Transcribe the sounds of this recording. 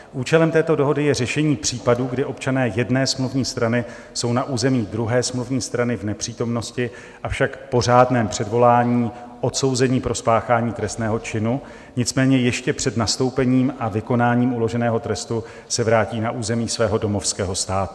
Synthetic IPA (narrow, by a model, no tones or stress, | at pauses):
ʔuːt͡ʃɛlɛmt̪ɛːt̪o̞do̞ɦo̞dɪjɛrɛʃɛɲiːpr̝̥iːpaduːɡdɪʔo̞pt͡ʃanɛːjɛdnɛːsmluvɲiːst̪ɾanɪ | so̞wnaʔuːzɛmiːdɾuɦɛːsmluvɲiːst̪ɾanɪvnɛpr̥iːt̪o̞mno̞scɪ | ʔafʃakpo̞r̝aːdnɛːmpr̝̥ɛdvo̞laːɲiːʔo̞t̪so̞wzɛɲiːpɾo̞spaːxaːɲiːt̪ɾɛst̪nɛːɦo̞t͡ʃɪnu | ɲɪt͡smɛːɲɛjɛʃcɛpr̥ɛd̪nast̪o̞wpɛɲiːmʔavɪko̞naːɲiːmulo̞ʒɛnɛːɦo̞t̪ɾɛst̪u | sɛvɾaːciːnaʔuːzɛmiːsvɛːɦo̞do̞mo̞fskɛːɦo̞st̪aːt̪u̥